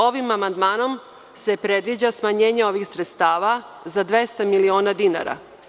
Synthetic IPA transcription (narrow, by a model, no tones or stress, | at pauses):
o̞ʋimamand̪maːno̞m | se̞pɾe̞d̪ʋid͡ʑasmaɲe̞ːɲeo̞ʋixsɾet̪st̪aːʋa | zad̪ʋe̞st̪amilio̞ːnad̪ina̰ɾa̰